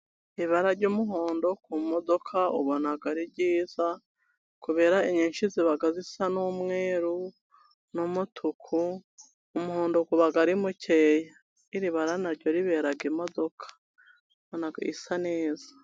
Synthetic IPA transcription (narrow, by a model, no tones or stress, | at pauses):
iβaɾaɾɟumuɦoːndo̞kumodo̞kʰaṵβonaɡaɾibɟiːz̥a | kuβe̞ːɾaiɲenʃiziβaɡazisanumŋeːɾu | numutʰukʰuː | muhoːndokuβaɡaɾimuceːja | iɾiβaɾanaɾɟo̞ɾiβe̞ɾaɡimo̞do̞kʰḁ | βonaɡaḭsaneːzḁ